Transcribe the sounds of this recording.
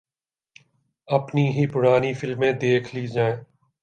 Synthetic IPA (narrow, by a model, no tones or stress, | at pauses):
ɐpniɦipʊɽaːnifɪlmẽːd̪eːkʰliːd͡ʒaːẽː